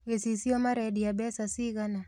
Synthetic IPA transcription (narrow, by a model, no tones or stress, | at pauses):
ɛsisiɔmaɾɛɗiaɓɛsasiɣana